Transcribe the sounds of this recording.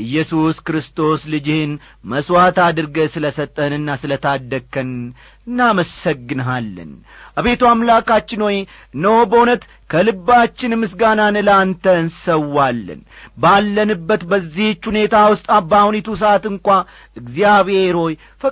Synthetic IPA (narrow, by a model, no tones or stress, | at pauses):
ʔɨjːɛsuskɾɨst̪ʰo̞slɨd͡ʒɪhɨn | məswat̪ad̪ɨɾɡəsɨləsət̪ʼːənɨnːasɨlət̪ʰad̪ːəkʰːən | ɨnːaməsəɡːɨnɦalːə̰n | ʔaβe̞t̪uamlakat͡ʃːɪno̞j | ɨnːəwobəhunət̪ | kʰəlɨbːat͡ʃːɪnmːɨsɡananɨlant̪ʰənsəwːalːə̰nbalːənɨbːət̪bəzːiht͡ʃːhune̞t̪ʰawʊst̪ʼabahunet̪us̬əat̪ɨŋkʷa | ʔɨɡzijaβe̞ɾho̞j | fə